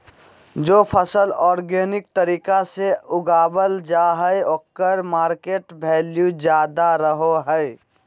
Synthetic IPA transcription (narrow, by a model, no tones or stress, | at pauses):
d͡ʒoːpʰəsəlɔːɾɡenɪk̚t̪əɾiːkaseʊɡaːbəld͡ʒaɦəjokːəɾmaːɾkeːʈbʱeːljud͡ʒjaːd̪aɾəɦoɦəj